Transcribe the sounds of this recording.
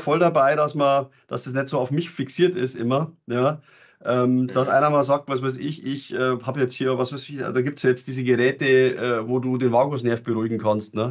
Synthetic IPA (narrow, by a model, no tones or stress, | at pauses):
fɔldabaɪɾasmɐ | d̥asd̥as̬nɛtz̥oːaʊfmɪçfɪksiːɐtɪsʔɪmɐjaː | ʔɛːmd̥asʔa̰ɪnɐmaːlzaːk̚tvas̬vaɪsɪçʔɪçʔɛːhaːbəjɛt͡sthiːɐvasvaɪsɪça̰d̥aːɡiːp̚tsjajɛt͡std̥iːzəɡəʁɛːtəʔɛːvoːduːdeːnvaːɡʊsnɛɐftb̥əʁuːɪɡŋ̩kʰanstnə